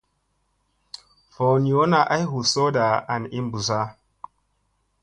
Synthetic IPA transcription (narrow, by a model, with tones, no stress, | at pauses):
fo˨n˨jo˦na˨ʔa˦jhu˨so˦da˨a˨ni˦mbu˨za˦